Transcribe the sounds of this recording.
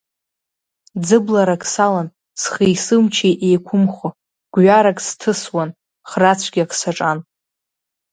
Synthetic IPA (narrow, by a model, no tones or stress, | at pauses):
d͡zɨblaɾakʼsalan | sχijsɨmt͡ʃʰejʔejkʷʰʊmχo | ɡ̥ʷɥaɾakʼstʰɨswan | χrat͡sʷʰɡʲiakʰʼsaʈ͡ʂʼan